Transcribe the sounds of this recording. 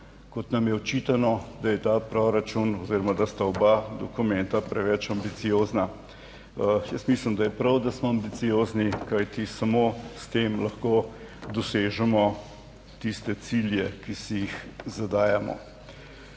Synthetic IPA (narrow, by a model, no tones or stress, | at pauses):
kɔt̪namjɛɔt͡ʃiːt̪anɔd̪ajɛt̪aːpɾɔɾat͡ʃunɔzeɾɔmad̪ast̪aɔbad̪ɔkumɛnt̪apɾɛʋɛt͡ʃambit̪sijoːzna | jəst̪misləmd̪ajɛpɾawd̪asmɔambit̪sijoːznikajt̪isamost̪emlɐxkod̪ɔseːʒɛmɔ | t̪ist̪ɛsiljɛkisijixzad̪aːjamɔ̰